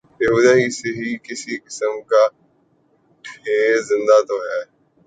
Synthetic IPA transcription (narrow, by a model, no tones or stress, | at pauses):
eɦuːd̪aɦiseɦikɪsikɪsəmka | ʈʰeːzɪ̃nd̪at̪oɦaːe